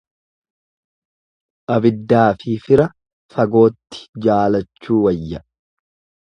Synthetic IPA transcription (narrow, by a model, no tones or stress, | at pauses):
ʔɐbɪd̪ːaːfɪfɪɾɐ | fɐɡo̞ːt̪ːɪ̥d͡ʒaːlɐt͡ʃːuːwɐjːɐ